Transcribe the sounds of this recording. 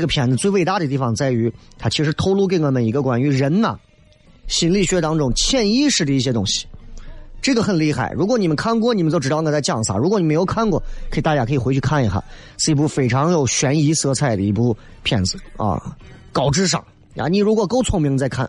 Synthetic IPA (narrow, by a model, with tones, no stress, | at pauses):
ɡə˩pʰjɛ˨˩nd͡z̩˧t͡swe˥˧ɪwe˥˧ɪt̪a˥˩d̪ə˩t̪i˥˩fɑ˨˧˩ŋt͡sa˥˩ɪy˧˥t̪ʰa˥t͡ɕʰi˧˥ʂɻ̩˧˥t̪ʰo˥ʊlu˥˧k̬e˥˩ə˧˩mə˧˩ni˧˥ɡə˧kwa̰˨˩ny˧˥ɻə˧˥nnɐ̰˨˩ | ɕi˧˥nli˥˩ɕɥɛ˧˥t̪ɑ˥ŋʈ͡ʂʊ˥˩ŋt͡ɕʰjɛ˥˧ni˥ʂɻ̩˥˩d̪ə˩i˥˩ɕ̬jɛ˥t̪ʊ̰˥ŋɕi̥˨ | ʈ͡ʂɤ˥˩ɡə˩xə˨˩nli˥˧xa̰˥˩ɪɻu˧˥kwɔ˧˥ni˨˩mə˦nkʰa˥˧nkwɔ˥˩ni˨˩mə˦t͡ɕjo˥˩ʈ͡ʂɻ̩˩ɑ˥˧˩t͡sa˥˧t͡ɕjɑ˥˩ŋsa̰˨˩ɻu˧˥kɔ˧ni˨˩m˧˥jo˧˥kʰa˥˧nkwɔ̰˥˩kʰi˨˩t̪a˥˧˩t͡ɕa˥˩kʰɤ˧˥i˨˩xwe˧˥t͡ɕʰy˥˧kʰa˥˩ni˧˥xa̰˥˩˦ | s̩˥˧p̬u˥˩fe˨˩ɪʈ͡ʂʰɑ˧˥ŋjo˨˩ʊɕɥɛ˧˥ni˧˥sɤ˧˥t͡sʰa˥˩ɪd̪ə˩i˧˥pu˥˩ | pʰjɛ̰˥˩nd͡zɹ̩˧˩˦ɐ̰˧kɑ˨˩ʊʈ͡ʂɻ̩˥ʂ̬ɑ̰˨˩˦ŋ̰˧ | ni˨˩ɻu˧˥kwɔ˨˩ko˥ʊt͡sʰʊ˧˥ŋmi˧˥ŋt͡sa˥˧ɪkʰa̰˥˩n